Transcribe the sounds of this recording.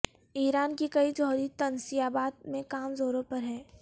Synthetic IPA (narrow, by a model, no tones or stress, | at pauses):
iːɾaːnkikɐid͡ʒɔɦɾit̪ɐnsijaːbaːd̪̚mẽkaːmzoːɾõpɐɾɦɛ̃ː